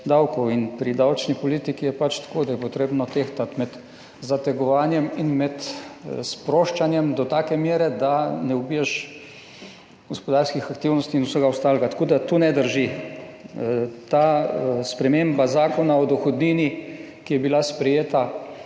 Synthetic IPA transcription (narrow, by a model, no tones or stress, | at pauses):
d̪awkɔwinpɾid̪awt͡ʃnipɔliːt̪ikijɛpat͡ʃt̪ḁkoːd̪ajɛpɔt̪ɾeːbnɔt̪eːxt̪at̪mɛt̪ | zat̪ɛɡɔʋaːnjɛminmɛt̪spɾoːʃt͡ʃanjɛmd̪ɔt̪aːkɛmjeːɾɛd̪anɛubiːjaʃ | ɡɔspɔd̪aːɾskixakt̪iːwnɔst̪iːnuwsəɡaʊst̪aːlɛɡat̪ḁkoːd̪at̪unɛd̪əɾʒi | t̪aːspɾɛmeːmbazaːkɔnaɔd̪ɔxɔd̪niːni | kijɛbilaspɾɛjeːt̪a